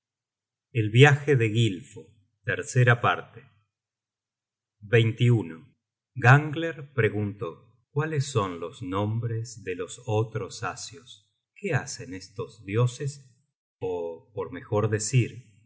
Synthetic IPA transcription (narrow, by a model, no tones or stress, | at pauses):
elβjaxeðeɣilfo | t̪eɾseɾapaɾt̪e | βejnt̪iuno | ɣaŋɡleɾpɾe̞ɣunt̪o̞ | kwalesːo̞nlo̞znõ̞mbɾezðelo̞sot̪ɾo̞sasjos | keasenest̪o̞zðjo̞ses | opoɾme̞xo̞ɾðesiɾ